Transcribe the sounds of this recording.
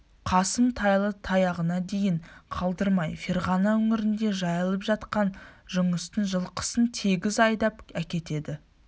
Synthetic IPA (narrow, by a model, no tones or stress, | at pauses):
qʰɑsəmt̪ʰɑjlˠət̪ʰɑjɑʁənɑd̪e̞jɪɴqʰɑlˠd̪əɾmɑjfeɾʁɑnɑwɵŋɪɾɪnd̪e̞ʒɑjəlˠəpʒɑt̪qɑnʒʊɴəst̪ənʒəlˠqʰə̥sənt̪ʰe̞ɡʲɪzɑjd̪ɑpækʲe̞t̪e̞d̪ɪ